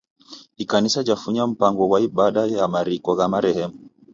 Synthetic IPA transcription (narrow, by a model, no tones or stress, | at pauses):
kikanisad͡ʒafuɲam̩paŋɡɔwaiɓaɗajjamaɾikɔɣamaɾɛhɛmu